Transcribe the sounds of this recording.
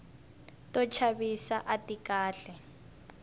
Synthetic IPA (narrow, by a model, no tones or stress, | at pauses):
tɔt͡ʃʰaβisaʔatikaːɬɛ